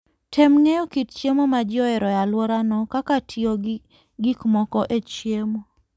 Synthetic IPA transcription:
tʰemŋejɔkitt͡ʃjemomad͡ʒɔɛɾɔjalwɔɾanɔkakatʰio | ɡikmɔkɔʔet͡ʃjemo

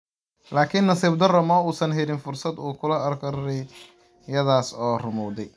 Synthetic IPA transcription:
laːkʰɪnːɐsiːb̚d̪ɐrɐmɔːuːsɐnɦɛlɪnfʊrsɐd̪uːkʰʊlɐɐrkʰɐɾːɛj | jɐðaːsɔːrʊmɔwd̪ɛj

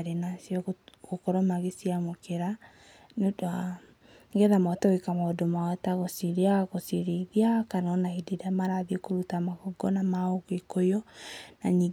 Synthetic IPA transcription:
ɾenasjɔɣokɔɾɔmaɣesiamokeɾa | noda | ŋɡɛðamɔtawekamaodomaɔtaɣosiɾiaɣosiɾeðiakanɔnahideɾeamaɾaðiokoɾutamakoɡɔnamaoɣekojɔnaniː

